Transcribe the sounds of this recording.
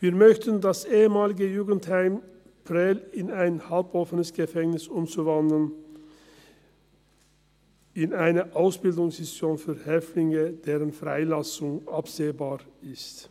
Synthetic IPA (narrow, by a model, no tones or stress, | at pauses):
viːɐmœçtəndasʔeːəmaːlɪɡəjuːɡn̩thaɪm | pʁɛlɪnaɪnhalpɔfənəsɡ̥əfɛŋnɪsʊmt͡suvandl̩n | ɪnaɪnəʔaʊsb̥ɪldʊŋsɛsjoːnfyːɐhɛftlɪŋəd̥eːʁənfʁ̥a̰ɪlasʊŋʔapz̥eːbaːʁɪst